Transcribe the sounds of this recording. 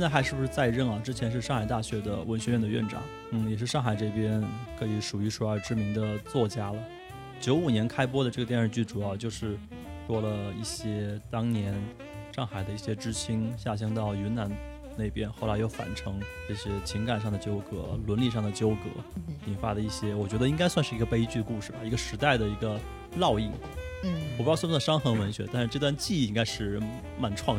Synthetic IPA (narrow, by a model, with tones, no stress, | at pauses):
jɛ˥˧na˥˩xa˧˥ʂɻ̩˥˩bu˩ʂɻ̩˥˧˩t͡sa˥˧ɪɻə˥˩nɐ˩ʈ͡ʂɻ̩˥t͡ɕʰjɛ˧˥nʂ̬ɻ̩˥˧ʂɑ˥˩ŋxa˨˩ɪt̪a˥˩ɕɥɛ˧˥d̪ə̰˧wə˧˥nɕɥɛ˧˥ɥɛ˥˩nd̪ə˧ɥɛ̰˥˩nʈ͡ʂɑ̰˨˩˦ŋ | n̩˥˩jɛ˨˩ʂ̬ɻ̩˥˧ʂɑ˥˩ŋxa˨˩ɪʈ͡ʂɤ˥˩ɪpjɛ˥nkʰɤ˧˥i˧˥ʂu˨˩y˧˥ʂʰu˥ə˞˧˥ʈ͡ʂɻ̩˥mi˧˥ŋd̪ə˧t͡swɔ˥˩t͡ɕja˥lə˨ | t͡ɕjo˧˥ʊu˨˩njɛ˧˥nkʰa˥ɪpwɔ˥d̪ə˧ʈ͡ʂɤ˥˩ɡə˩jɛ˥˧nʂɻ̩˥˩t͡ɕy˥˩ʈ͡ʂu˨˩jɑ˥˧ʊt͡ɕjo˥˧ʊʂɻ̩˥˩ | ʂwɔ˥lə˨i˥˩ɕjɛ˥t̪ɑ˥ŋnjɛ˧˥n | ʂɑ˥˩ŋxa˨˩ɪd̪ə˦i˥˩ɕjɛ˥ʈ͡ʂɻ̩˥t͡ɕʰi˥ŋɕja˥˩ɕ̬ɑ˥ŋt̪ɑ˥˩ʊy˧˥na˧˥n | ne˥˩ɪpjɛ˥nxo˥˩ʊla˧˥ɪjo˥˩ʊfa̰˨˩nʈ͡ʂʰɤ˧˥ŋʈ͡ʂɤ˥˩ɕjɛ˥t͡ɕʰi˧˥ŋka˨˩nʂ̬ɑ˥˩ŋd̪ə˩t͡ɕjo˥ʊkɤ̰˧˥lwə˧˥nli˥˧ʂɑ˥˩ŋd̪ə˩t͡ɕjo˥ʊkɤ̰˧˥i˨˩nfa˧˥d̪ə˧i˥˩ɕjɛ˥wɔ˨˩t͡ɕɥɛ˧˥d̪ə˧i˥ŋka˥ɪswa˥˧nʂɻ̩˥˩i˧˥ɡə˧pe˥ɪ˥t͡ɕy˥˧ə˧ku˥˧ʂɻ̩˥˩i˧˥ɡə˧ʂɻ̩˧˥t̪a˥˩ɪd̪ə˩i˧˥ɡə˧ | lɑ˥˧ʊi˥˩ | n̩˥˩wpjsʂɑ˥ŋxɤ˧˥ŋwə˧˥nɕɥɛ˧˥t̪a˥˧nʂɻ̩˥˧ʈ͡ʂɤ˥˧t̪wa˥˧nt͡ɕi˥˧˥i˥ŋka˥ɪʂɻ̩˥˩ | ma˨˩nʈ͡ʂʰwɑ˥˩˧